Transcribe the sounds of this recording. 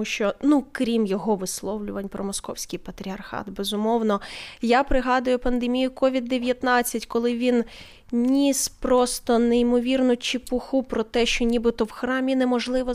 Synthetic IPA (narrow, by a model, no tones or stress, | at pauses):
ʃt͡ʃɔnukɾʲimjɔɦɔʋɪslˠɔwlʲʊʋɐnʲpɾɔmɔskɔ̰wsʲkʲijpɐt̪ɾʲiɐrxɑ̰t̪bɛzʊmɔwnɔjapɾɪɦɑd̪ʊjʊpɐnd̪emʲijʊkɔʋʲid̪ːeʋʲjɐt̪nɑt͡sʲːɐtʲkɔlˠɪʋʲin | nʲispɾɔst̪ɔneimɔʋʲirnʊt͡ʃɪpʊxupɾɔt̪ɛʃt͡ʃɔnʲibɪt̪ɔwxɾɑmʲinɛmɔʒlˠɪʋɔ